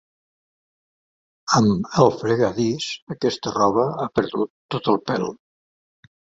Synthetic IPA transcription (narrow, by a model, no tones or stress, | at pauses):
əməlˠfɾəɣaðisəkɛst̪ərɔβəapəɾðut̪ːot̪əlˠpɛ̰l